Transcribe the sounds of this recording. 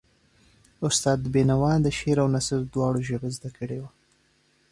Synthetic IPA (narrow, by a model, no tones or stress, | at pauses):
ʊst̪ɑːd̪benawɑnd̪əʃeɾawnasəɾd̪wɑɽoʒəɣəzd̪akəɽewa